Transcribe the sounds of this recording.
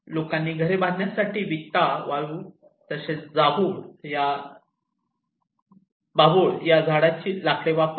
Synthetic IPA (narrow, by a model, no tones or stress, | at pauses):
lokanːiːɡʱəɾebãnjasaʈiːʋit̪ːaʋaɭuː | t̪əset͡sd͡zaboɭja | baboɭjad͡zʱaɽat͡ɕiːlakleʋap